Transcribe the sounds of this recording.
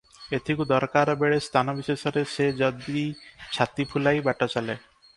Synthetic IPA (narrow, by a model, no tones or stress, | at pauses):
et̪ʰikud̪ɔɾkaɾɔbeɭest̪ʰanɔbisesɔɾesed͡ʒɔd̪it͡ʃʰat̪ipʰulajbaʈɔt͡ʃale